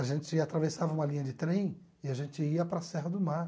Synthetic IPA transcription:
aʒẽnt͡ʃɪat̪ɾavesavɐũmɐlĩɲɐd͡ʒɪt̪ɾẽj̃ | ɪaʒẽnt͡ʃɪiɐpɾɐsɛɦɐd̪ʊmaɾ

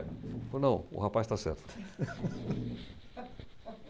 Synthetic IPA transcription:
onɐ̃w̃ʊ̰hapajst̪asɛ̰ɾt̪ʊ

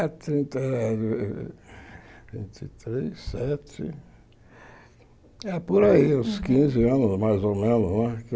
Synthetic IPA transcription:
at̪ɾĩnt̪ɐ | vḭ̃nt̪it̪ɾesɛt̪ɪ̰ | ɛpoɾaiaskĩzɪɐ̃nʊzmajzomẽnʊznɛ̃k

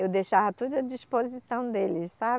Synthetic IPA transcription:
ewd̪ejʃavɐt̪ud̪ʊɐd͡ʒispozisɐ̃w̃d̪elɪssab

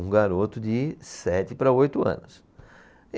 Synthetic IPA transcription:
ũɡaɾot̪ʊd͡ʒɪsɛt̪ɪpɾɐojt̪ʊɐ̰̃nʊs

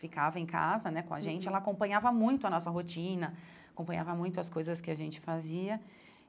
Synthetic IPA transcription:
fikavɐẽj̃ka̰zɐnɛkõa̰ʒẽnt͡ʃɪɛlakõmpɐ̃ɲavɐmũj̃t̪ʊɐnɔsɐɦot͡ʃĩnɐ | akõpɐ̃ɲ̃avɐmũj̃t̪ʊɐskojzɐskɪaʒẽnt͡ʃɪ̥faziɐ

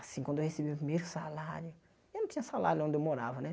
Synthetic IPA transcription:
asĩkwɐ̃d̪ewhesebimupɾimejɾʊsalaɾjʊ | ewnɐ̃t̪ĩɲ̃ɐ̃sala̰ɾjʊõnd̪ewmoɾa̰vɐnɛ

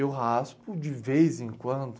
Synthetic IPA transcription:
ewɦaspʊd͡ʒɪvejzẽkwɐ̃nd̪ʊ

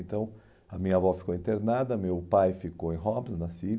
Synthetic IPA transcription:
nt̪ɐ̃w̃ | ɐmĩɲɐvɔfi̥kowĩnt̪eɾnad̪ɐmewpajfikowẽj̃ɦɔbnʊnɐsi

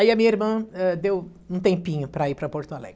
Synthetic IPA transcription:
aiɐmĩɲɐiɾmɐ̃ɛd̪ew | ũt̪ẽpĩɲʊpɾɐipɾɐpoɾt̪ʊalɛ̰ɡ

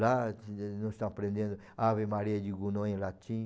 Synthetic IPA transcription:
lanõst̪ãpɾẽnd̪ẽnd̪o | aβemaɾiad͡ʒiɡunõẽlat͡ʃ̪ĩ

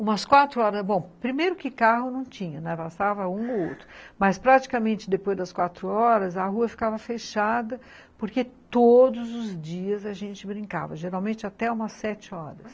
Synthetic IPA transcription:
ũmɐskwat̪ɾʊɔɾɐsbõw̃pɾimejɾʊkɪkaɦʊnɐ̃w̃t͡ʃĩɲɐnɛ̃vast̪avɐũoo̰wt̪ɾʊmɐspɾat͡ʃi̥kɐmẽnt͡ʃɪd̪epojzd̪ɐskwat̪ɾʊɔɾɐzɐɦuɐfi̥kavɐfeʃad̪ɐ | poɾket̪od̪ʊzʊzd͡ʒiɐzɐʒẽnt͡ʃɪbɾĩka̰vɐʒeɾawmẽnt͡ʃɪat̪ɛũmɐsːɛt͡ʃɪɔɾɐs

